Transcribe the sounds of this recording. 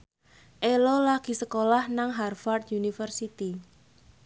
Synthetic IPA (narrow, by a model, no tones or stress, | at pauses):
ʔelolaɡ̥i̤səkolahnaŋɦarfard̪̚junifərsit̪i